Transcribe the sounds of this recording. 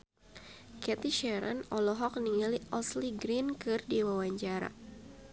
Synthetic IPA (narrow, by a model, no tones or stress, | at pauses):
kɛt̪iʃɛɾa̰nɔlɔɦɔk̚niŋaliʔɔsliɡɾinkɨrdiwawaɲt͡ʃaɾa̰